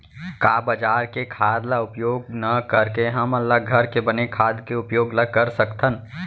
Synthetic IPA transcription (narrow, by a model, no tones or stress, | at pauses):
kaːbəd͡ʒaːɾkekʰaːd̪laʊpjoːɡnəkəɾkeɦəməlːaɡʱəɾkebɐnekʰaːd̪keʊpjoːɡləɡ̚kəɾsəkt̪ʰən